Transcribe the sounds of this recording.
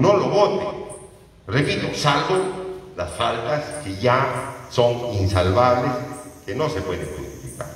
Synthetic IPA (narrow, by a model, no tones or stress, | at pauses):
noloβot̪e | reβilosalbolasfald̪askejasoŋinsalβaβleskenosepweðeŋxust̪ifika̰ɾ